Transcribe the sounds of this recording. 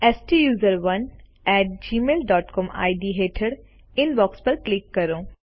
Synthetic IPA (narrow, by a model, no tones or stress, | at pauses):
ɛːsʈijuːzəɾʋɐn | ɛːʈ̚d͡ʒiːmeːlɖɔːʈkɔːma̰ːiɖiːɦeːʈʰəɽ | ɪnbɔːkspɐɾklɪkːɐɾoː